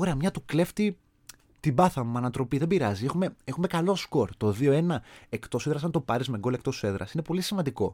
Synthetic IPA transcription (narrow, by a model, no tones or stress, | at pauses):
oɾeɐmɲɐt̪ukle̞ft̪i | t̪ibɐθɐmumɐnɐt̪ɾo̞piðebiɾɐzie̞xume̞e̞xume̞kɐlo̞sko̞ɾt̪o̞ðio̞e̞nɐekt̪o̞seðɾɐs̬ɐnt̪o̞pɐɾizme̞ŋɡo̞lekt̪oseðɾɐ̰sine̞po̞lisimɐnd̪iko̞